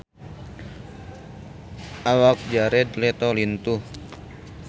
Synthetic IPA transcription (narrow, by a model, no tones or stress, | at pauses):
ʔawak̚d͡ʒaɾɛd̪lɛt̪ɔlint̪uh